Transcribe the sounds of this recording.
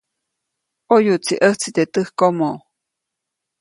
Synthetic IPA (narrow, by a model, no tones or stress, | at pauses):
ojut͡siʔəht͡sit̪et̪əhkomo